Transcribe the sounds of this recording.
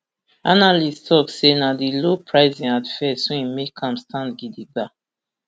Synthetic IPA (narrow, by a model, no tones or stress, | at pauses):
analistʰɔksenadilopʰɹaɪzĩnadfɛsõĩmekʰãmstʰãndɡidiɡa